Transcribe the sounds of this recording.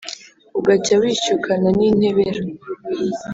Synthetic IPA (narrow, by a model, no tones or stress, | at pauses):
uɡat͡ʃawiːt͡ʃukʰananin̥he̞βeɾa